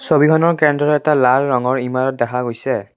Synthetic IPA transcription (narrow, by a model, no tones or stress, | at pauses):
sobikʰɔnɔɹkɛndɔɹɛɛtalalːɔŋɔɹimaɹɔt̚dɛkʰaɡojsɛ